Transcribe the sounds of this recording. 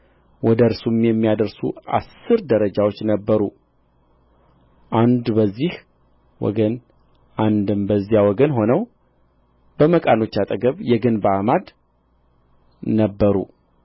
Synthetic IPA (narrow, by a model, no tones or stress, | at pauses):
wɔd̪əɾsumjɛmːijad̪əɾsṵa̰sːɨɾd̪əɾəd͡ʒawot͡ʃːnəbːəɾu | ʔand̪bəzːih | wɔ̰ɡən | ʔand̪ɨmbəzːijawɔɡənɦo̞nəw | b̥əməkʼano̞t͡ʃːat̪ʼəɡəβjɛɡɨnbəamad̪ | nəbːəɾṵ